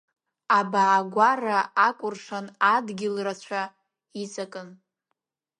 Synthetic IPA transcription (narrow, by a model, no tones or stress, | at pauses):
abaːɡʷaraʔakʷʼʊrʂanadɡʲɪlrat͡ɕʷʰa | it͡sʼakʼɨn